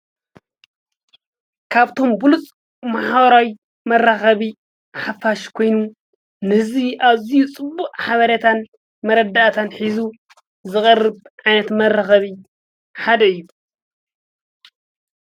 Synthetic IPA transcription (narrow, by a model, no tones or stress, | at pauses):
kʰaβt̪ʰo̞mbulut͡sʼ | maħbɐɾawi | mɐrːaxɐβi | ħafaʃkʰo̞jnu | nɨhɨziʔaβzijut͡sʼɨbːuʔʼħaβɐɾɐt̪ʰan | mɐɾɐd̪aʔat̪ʰanħizu | zɨχʼɐrːɨβʕajnɐt̪mɐrːɐxɐβi | ħad̪ɐɨjːu